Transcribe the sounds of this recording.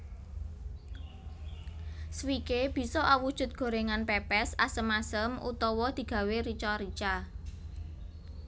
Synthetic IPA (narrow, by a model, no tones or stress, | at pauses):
swikeb̥i̤sɔʔawud̥ʒ̥ʊ̤t̪̚ɡ̥o̤ɾeŋanpepɛsa̰səmasəmʔṵt̪ɔwɔd̪̥i̤ɡ̥ä̤weɾit͡ʃɔɾit͡ʃa